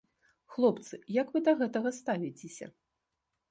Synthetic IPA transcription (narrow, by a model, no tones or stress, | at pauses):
xlˠɔpt̪sɨjɐkvɨd̪ɐɣɛt̪ɐɣɐst̪avʲit͡sʲesʲɐ̰